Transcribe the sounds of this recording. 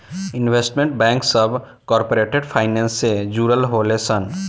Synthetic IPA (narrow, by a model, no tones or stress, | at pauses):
ɪnʋeːsʈmẽɳʈ̚bɛ̃ːŋksəbʱ | kɔːɾpoɾeːʈeɖpʰaːɪnɛ̃ːnsːed͡ʒuːɾəlɦolesən